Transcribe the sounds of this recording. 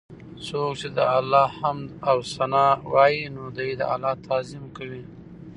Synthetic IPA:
sok̚t͡ʃed̪əalːɑhamd̪awsanɑwɑjinod̪ajd̪ə̰a̰lːɑt̪ʰɑzɪmkawi

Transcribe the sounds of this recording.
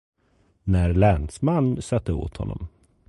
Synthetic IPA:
næɾlɛnsmanːsat̪ːəo̰ːt̪hɔ̰nːɔ̰m

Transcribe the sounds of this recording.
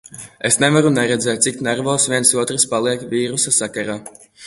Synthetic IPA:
esnevaɾunɛɾɛd̪zɛːt̪̚ʲsiknaɾvɔːsvʲiɛnsuɔt̪ɾɨspalˠiɛkvʲiːɾusasakaɾaː

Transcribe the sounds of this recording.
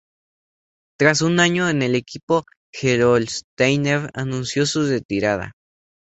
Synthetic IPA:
t̪ɾas̬unaɲoene̞lekipo | xeɾolst̪ejneɾa̰nũnsjosuret̪iɾaða̰

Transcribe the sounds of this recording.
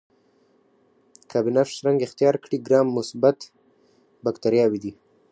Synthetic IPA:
kʰɑbinafsɾaŋɡɪxt̪ijɑɾkɽiɡɾɑmːʊsbat̪ | bakt̪aɾjɑwid̪i

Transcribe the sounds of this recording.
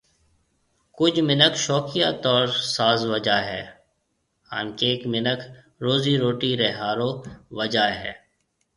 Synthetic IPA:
kʊd͡ʒmɪnəkʃɔːkɪjaːt̪ɔːɾsaːzʋəd͡ʒaːɦɛ̰ː | ha̰ːnkeːkmɪnəkʰ | ɾoːziɾoːʈiɾɛɦaːɾoːʋəd͡ʒaːɦɛ̰ː

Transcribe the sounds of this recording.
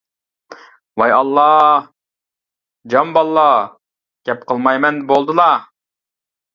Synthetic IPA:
wɑjɑlˠːɑ | d͡ʒɑmbɑlˠːɑ | ɡ̥ʲɛp̚qəlˠmɑjmɛnbolˠd̪ɨlˠɑ

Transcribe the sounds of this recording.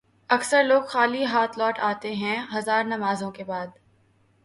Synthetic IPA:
ɐksəɾloːɡxaːliɦaːt̪ʰlɔːʈaːt̪eɦɛ̃ɦɐzaːɾnɐmaːzõkebaːd̪

